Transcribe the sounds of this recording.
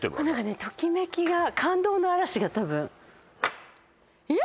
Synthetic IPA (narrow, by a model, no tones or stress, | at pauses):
t̪ḛnãŋkane̞t̪o̞kʲime̞kʲiɡakʰãnd̪o̞ːno̞aɾaɕiɡat̪abɯ̟̃ | i